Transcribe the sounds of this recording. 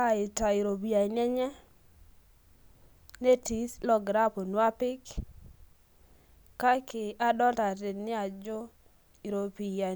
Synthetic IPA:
a˨ɪ˨ta˨i˨ɾo˨pi˨a˨ɲɛ˦ɲɛ˦ | ne˦ti˨˦slɔ˨ɡɾa˦po˨nwa˦pɪ˦k | ka˦kɪ˨a˦dɔ˦ta˨tɪ˨nɪ˦a˨d͡ʒʊ˦ | i˨ɾo˨pi˨ja˨

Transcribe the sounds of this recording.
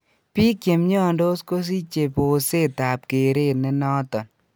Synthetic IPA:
pi˦kje˨mɲɔ˦˨ndo˦sko˦s̬i˦t͡ʃe˨po˨se˦˨ta˨p̚ke˨ɾe˦˨ne˦nɔ˦tɔ˨n

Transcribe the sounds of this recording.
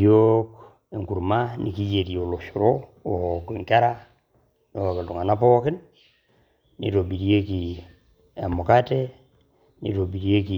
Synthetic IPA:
jo˦k | e˨ŋku˨ɾma˦nḭ˨ki˦je˨ɾi˨o˨lo˨ʃu˨ɾo˦ | oki˨ŋka˦ɾa | no˦o˨kdu˨ŋa˨na˦pɔ˦kɪ˦n | nḭ˨to˨bi˨ɾi˦e˦ki˨ | e˨mo˨ka˦te˦ | nḭ˨to˨bi˨ɾje˦ki˨

